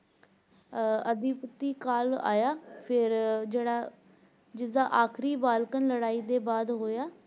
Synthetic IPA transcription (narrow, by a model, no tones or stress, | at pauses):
əd̪ɪpət̪ːiːkaːla̰ːjaːpʰɪɾd͡ʒeːɽaː | d͡ʒɪsd̪aːʔaːkʰɾiːbaːlkənləɽaːiːd̪eːbaːd̪ɦoːjaː